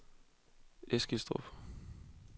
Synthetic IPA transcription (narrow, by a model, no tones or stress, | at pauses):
esɡ̥isd̥ʁɔ̰f